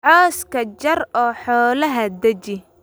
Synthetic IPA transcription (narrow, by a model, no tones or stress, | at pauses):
ʕɔːskʰɐt͡ʃɐrɔːħɔːlɐɦɐd̪ɐt͡ʃɪ